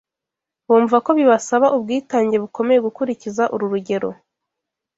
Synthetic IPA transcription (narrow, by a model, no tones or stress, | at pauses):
βuːɱvvako̞βiβasaβaʔubɡiːtaːɲɟe̞βuko̞me̞je̞ɡukuɾicizaʔuɾuɾuɟe̞ɾo̞̰